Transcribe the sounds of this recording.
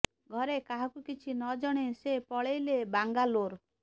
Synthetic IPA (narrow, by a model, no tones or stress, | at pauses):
ɡʱɔɾekaɦɔkukit͡ʃʰinɔd͡ʒɔɽ̃esepɔɭejlebaŋɡaloɾ